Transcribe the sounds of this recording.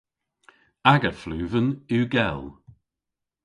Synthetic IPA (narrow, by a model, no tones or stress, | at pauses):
aɡəflʉːvənʉːɡɛlˠ